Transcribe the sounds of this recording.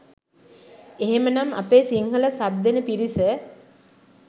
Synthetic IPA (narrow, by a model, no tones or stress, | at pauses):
eɦemənama̰peːsiŋɦələsab̚d̪enəpiɾisə